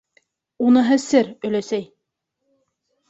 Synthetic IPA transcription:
unɤ̆ɦɤsɘɾɵ̆læsæj

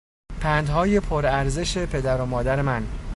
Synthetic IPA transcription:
pʰæːnd̪ɦɒːje̞pʰoɾæɾze̞ʃe̞pʰe̞d̪æɾomɒːd̪æɾe̞mæn

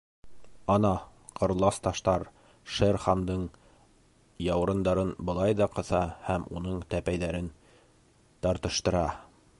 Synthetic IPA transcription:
ɑnɑ | qʰɤ̆ɾlˠɑst̪ɑʃt̪ɑɾ | ʃeɾχɑnd̪ɤɴ | jɑwɾɤ̆nd̪ɑɾɤnbɤ̆lˠɑjðɑqɤ̆θɑhæmṵnɤɴt̪æpæjðæɾɘn | t̪ɑɾt̪ɤ̆ʃt̪ɤ̆ɾɑ

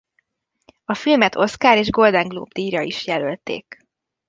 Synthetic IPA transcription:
ɒfilmɛt̪ʰo̞tskaːɾeːʒɡo̞ld̪ɛŋɡlo̰ːbd̪iːjɒiʃjɛlølt̪ḛːk

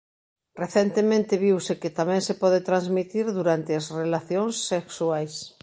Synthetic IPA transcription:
reθent̪emẽnt̪eβiwseket̪amɛ̃ŋsepɔðet̪ɾanzmit̪iɾðuɾant̪eɐsrelaθjoŋsːeksuajs

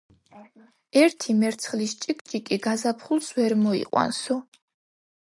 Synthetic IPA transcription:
ɛɾt̪ʰimɛɾt̪sʰχlist͡ʃʼikʼt͡ʃʼikʼiɡazapʰχulˠsvɛɾmɔḭqʼwa̰nsɔ

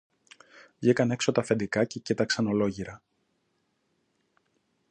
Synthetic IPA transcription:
vʝikɐne̞ksot̪ɐfend̪ikɐce̞cit̪ɐksɐno̞lo̞ʝiɾɐ

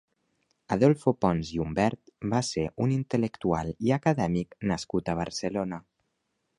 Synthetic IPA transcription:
əðɔlˠfopɔnziumbɛɾt̪baseʔunint̪ələkt̪ua̰lˠiakəðɛmiknəskut̪əβ̞əɾsəlonə

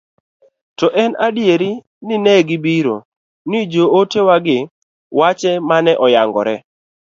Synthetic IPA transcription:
tɔʔɛnadjeɾi | nɪnɛɡɪbiɾo̰ | nid͡ʒootewaɡɪ | wat͡ʃɛmanɛʔɔjaŋɡɔ̰ɾɛ

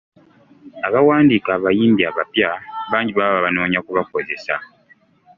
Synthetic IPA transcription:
aβawaːndiːkaːβajiːmbjiaβapjaβaːɲɟiβaβaβaβano̞ːɲakuβako̞ze̞sa̰

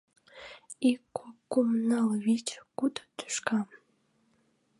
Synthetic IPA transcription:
ikːokːumnɑlβit͡ɕkud̪ə̥t̪y̥ʃkɑ

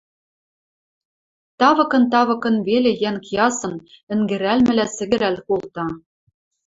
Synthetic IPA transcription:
t̪ɑβɤ̆kɤ̆nt̪ɑβɤ̆kɤ̆nvelĕjænkjɑsɤ̆n | ɘ̆ŋɡɘ̆ɾælmɘ̆lʲæsɘ̆ɡɘ̆ɾælkolˠt̪ɑ

